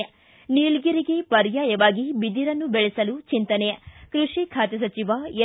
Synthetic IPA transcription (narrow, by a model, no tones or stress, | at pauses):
ɐ | niːɭɡiɾiɡe̞pɐɾjaːjɐʋaːɡibid̪iɾɐnːubɛɭɛsɐlut͡ʃint̪ɐnɛjɐkɾuʂikʰaːt̪ɐs̬ɐt͡ʃiʋaj